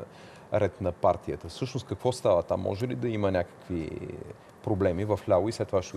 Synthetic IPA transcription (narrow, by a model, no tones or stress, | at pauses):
ɾɛt̪nɐpaɾt̪iət̪əfsɤʃnost̪kəkvɔst̪avət̪a̰mːɔ̰ʒɛlid̪ɐimənʲakə̥kvḭ | pɾoblɛmivɐflʲavoislɛt̪ːovaʃt̪ɛ